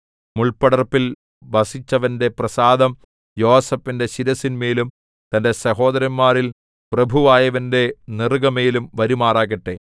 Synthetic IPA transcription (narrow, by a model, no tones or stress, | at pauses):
muɭpɐɽɐrpːil | ʋɐsit͡ɕːɐʋɐnde̞prɐsaːd̪ɐm | jo̞ːsɐfːinde̞ɕiɾɐsinmeːlum | t̪ɐnde̞sɐɦo̞ːd̪ɐɾɐmːaːril | prɐbʱuʋaːjɐʋɐnde̞nirɡɐmeːlumʋɐɾumaːraːɣɐʈːe